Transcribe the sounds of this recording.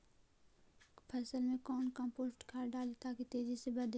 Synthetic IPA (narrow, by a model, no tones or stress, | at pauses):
pʰɐsəlmẽkɔːnkə̃mpoːsʈkʰaːɾɖaːlet̪aːkit̪eːd͡ʒisebɐd̪